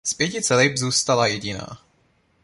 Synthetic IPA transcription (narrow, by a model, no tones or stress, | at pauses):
spjɛcɪt͡sɛlɪbzuːst̪alajɛɟɪna̰ː